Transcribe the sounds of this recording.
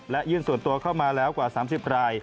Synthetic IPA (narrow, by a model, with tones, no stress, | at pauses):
lɛ˦˥ʔjɯː˥˩nsu˨˩ənt̪u˧ɐkʰa˥˩wmaː˧lɛː˦˥wkwaː˨˩saː˩˦ms̬i˨˩p̚ɾaː˧j